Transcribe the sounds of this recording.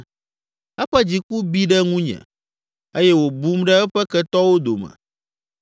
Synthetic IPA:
ɛ˦ɸɛ˦d͡ʑi˨ku˦bi˦ɖɛ˦ŋũ˦ɲɛ̰̃˨ | e˦jɛ˦wo˨bu˦mɖɛ˦ɛ˦ɸɛ˦kɛ˦t̪ɔ˦wo˦d̪o̰˨mɛ̰̃˨

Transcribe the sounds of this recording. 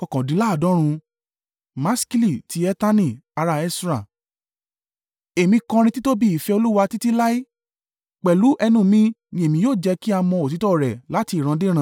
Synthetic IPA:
ɔ˨kɔ̃˨dĩ˨˦la˦˨dɔ̃˨˦ɾ̃ũ˧ | mã˦ski˦li˦˨ti˨˦ɛ˦ta˦nĩ˦˨a˧ɾa˧ɛ˧sɾa˨ | e˨mĩ˧kɔ̃˧ɾ̃ĩ˧ti˦to˦bi˦i˨fɛ˧o˧lu˦wa˧ti˦ti˦la˦i˦ | k͡pɛ˨lu˨˦ʔɛ˧nũ˦˨mĩ˦nĩ˧˦e˨mĩ˧˦joː˦˨d͡ʒɛ˧ki˦a˧mɔ̃˧o˨ti˨˦tɔ˦˨ɾɛ˨la˨˦ti˧˦˨ɾ̃ã˨˧de˦ɾ̃ã˧˦

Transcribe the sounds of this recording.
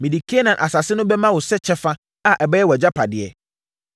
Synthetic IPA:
mĩ˨di˨kʰi˦ɛ˦nã˨ʔa˨sa˨sɪ˦nʊ̃˦bɛ˦mã˦wʊ˨sɛ˦t͡ɕʰɛ˦fã˦ | a˦ʔɛ˨bɛ˦jɛ˦wɔ˨ɛ˨d͡ʑa˦pʰa˨dɪ˨ɛ̰˨

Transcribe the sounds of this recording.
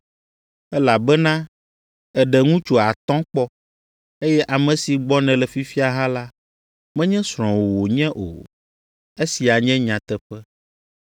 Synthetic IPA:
ɛ˦la˨bɛ˦nã˦ | ɛ˨ɖɛ˨ŋũ˦t͡ʃo˨a˨t̪ɔ̃˦k͡pɔ˦ | e˦jɛ˦ʔa˨mɛ̃˨si˨ɡ͡bɔ˦nɛ̃˨lɛ˨fi˦fi˦a˨ɦã˦la˦ | mɛ̃˦ɲɛ̃˦sɾ̃ɔ̃˨wo˨wo˨ɲɛ̃˦ʔo̰˨ | e˦si˨a˨ɲɛ̃˦ɲã˨t̪ɛ˦ɸɛ˦

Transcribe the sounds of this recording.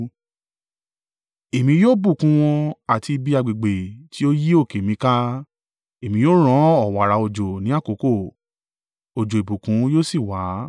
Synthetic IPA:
e˨mĩ˧joː˦bu˦˨kũ˨˧˦w̃ɔ̃˧a˨ti˧bi˦˧a˧ɡ͡be˨ɡ͡be˨ti˨˦o˦ji˦o˦˨ke˨mĩ˧˦ka˦ | e˨mĩ˧˦joː˦ɾ̃ɔ̃˦ɔ˨wa˨ɾa˨˦o˧d͡ʒo˨nĩ˨˦a˦˨ko˨˦ko˦˨ | o˨d͡ʒo˨e˨bu˨kũ˨˦joː˦si˦˨wa˨˦

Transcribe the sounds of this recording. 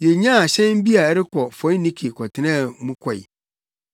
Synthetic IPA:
jɛ˨ɲã˦a˨ɕɛ̃˦m˦bi˦a˨˦ɾɪ˦kʰɔ˨fɔ̃˨˦nːĩ˦kʰe˨kʰɔ˨tʰɪ˨nɛ̃˦˨˦mũ˦kʰɔ˨ḭ˨

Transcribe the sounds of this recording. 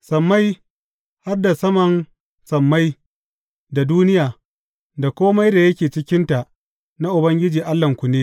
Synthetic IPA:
sɐ˨mːa˦j | ha˦rda˨sɐ˦mɐ˨n | sɐ˨mːa˦j | da˨duː˦nɪ˦jaː˨ | da˨kʷoː˦ma˦jda˨jɐ˦kʲeː˨t͡ʃɪ˦kʲɪ˦nta˨ʔ | na˦ʔʊ˨bɐ˦ŋɡʲɪ˦d͡ʒiː˨ʔa˦lːɐ˨ŋkʷu˨neː˦

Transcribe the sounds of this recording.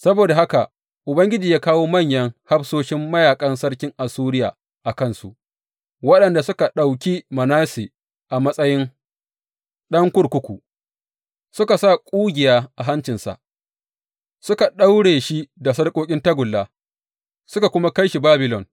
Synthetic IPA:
sɐ˦boː˨da˨ɦa˦ka˨ | ʔʊ˨bɐ˦ŋɡʲɪ˦d͡ʒiː˨jaː˦kaː˦woː˦mɐ˦˨ɲjɐ˦ŋha˦ɸsoː˦ʃɪ˦mːɐ˦jaː˨kʼɐ˦nsɐ˦ɽkʲɪ˦ŋʔa˨suː˦ɾɪ˦ja̰ː˨ | ʔa˨kɐ˦˨nsṵ˨ʔ | wɐ˦ɗɐ˨nda˨sʊ˦ka˨ɗa˨wkʲi˦mɐ˨naː˦si˨ | ʔa˨mɐ˦sʼɐ˦jɪ˦n | ɗɐ˦ŋkʷʊ˦ɽkʷʊ˦kʷṵ˨ | sʊ˦ka˨sa˦˨kʷʼuː˦ɡʲɪ˨jaː˦ʔa˨ɦa˦nt͡ʃɪ˨nsa̰˨ʔ | sʊ˦ka˨ɗa˦wɽeː˨ʃi˦da˨s̬ɐ˦rkʼoː˦kʲʼɪ˦ntɐ˦ɡʷʊ˨lːaː˦ | sʊ˦ka˨kʷʊ˦ma˦ka˦jʃi˨baː˦bɪ˨lɔ̰˨n

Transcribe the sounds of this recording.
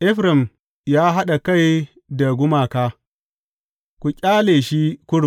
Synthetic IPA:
ʔɛ˦ɸɾɛ˨m | jaː˦ɦa˦ɗa˨ka˦˨j | da˨ɡʷʊ˦maː˨kaː˦ | kʷu˨kʲʼaː˦leː˨ʃi˦kʷʊ˦ɽʊ˨

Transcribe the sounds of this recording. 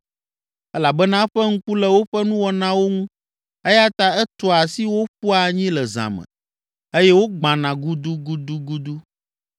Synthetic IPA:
ɛ˦la˨bɛ˦nã˦ɸɛ˦ŋ̩˦ku˦lɛ˦wo˦ɸɛ˦nũ˦wɔ˨nã˦wo˦ŋũ˦ | e˦ja˦t̪a˦ɛ˦t̪ɔ˨a˨si˦wo˦ɸu˦a˨ɲĩ˦lɛ˨zã̰˨mɛ̰̃˨ | e˦jɛ˦wo˦ɡ͡bã˨nã˨ɡu˦d̪u˦ɡu˦d̪u˦ɡu˦d̪u˦

